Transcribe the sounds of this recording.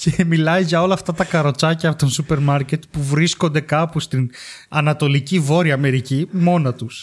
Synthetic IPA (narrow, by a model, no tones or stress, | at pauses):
ce̞milɐjʝɐo̞lɐːft̪ɐt̪ɐkɐɾo̞t͡sɐcɐpot̪onsupe̞ɾmɐɾce̞t̪puvɾisko̞nd̪e̞kɐpust̪inɐnɐt̪o̞licivo̞ɾiɐːme̞ɾicimo̞nɐt̪us